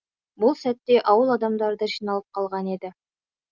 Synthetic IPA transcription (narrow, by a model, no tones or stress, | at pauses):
bʊlˠsæt̪ːe̞ʔɑwəlˠɑd̪ɑmd̪ɑɾd̪əʒijnɑlˠəp̚qʰɑlˠʁɑne̞d̪ɪ